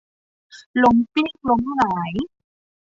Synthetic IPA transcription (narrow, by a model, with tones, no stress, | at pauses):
lo˧˥mpi˦˥k̚lo˧˥mlaː˨˩˦j